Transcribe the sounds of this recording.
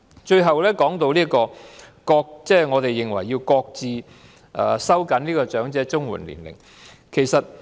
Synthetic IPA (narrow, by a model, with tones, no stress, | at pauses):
t͡ʃɵ˧ɥɦɐ˨wlɛː˥kɔː˨˥ŋt̪o˧wliː˥kɔː˧kɔː˧k̚t͡sɛː˥˩ŋɔː˨˧t̪e˨jːɪ˨ŋwɐ˨˩jːiː˧wkɔː˧k̚t͡siː˨˧ | ʔɐː˨˩sɐ˥wkɐ˨˥nliː˥kɔː˧t͡ʃœː˨˥ŋt͡sɛː˨˥t͡sʊ˥ŋwṵː˨˩nlḭ˨˩nlɪ̰˨˩ŋ | kʰe˨˩jsɐ˨t̚